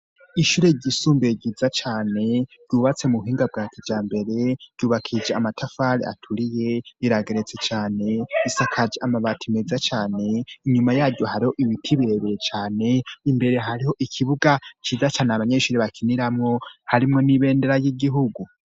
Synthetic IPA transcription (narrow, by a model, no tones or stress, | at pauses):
iʃuːɾe̞ɟisuːmbeɟizat͡ʃaːne̞ɟ̥uːβat͡se̞muβuɦiːŋɡab̚ɡaːtʰid͡ʒaːmbe̞ɾe̞ɟ̥uːβakʰid͡ʒeamatʰafaɾḭa̰tʰuɾije̞iɾaɡe̞ɾe̞t͡set͡ʃaːne̞isakʰad͡ʒeʔamaβatʰimezat͡ʃaːne̞iɲumajaːɟɟo̞haɾiho̞ʔiβitʰiβiɾeβeɾet͡ʃaːne̞imbe̞ɾe̞ɦaɾiho̞ʔikʰiβuɡat͡ʃiːzat͡ʃaːneaβaɲeʃuːɾeβakʰiniɾamŋo̞haɾimŋo̞niβe̞ːndeɾajiɡiɦuɡu